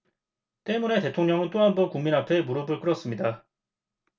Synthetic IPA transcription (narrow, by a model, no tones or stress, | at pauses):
t͈e̞mune̞te̞tʰoŋɲʌŋɯnt͈oɦambʌnkuŋminɦapʰe̞muɾʌbɯɭk͈ɯɾʌs͈ɯmɲida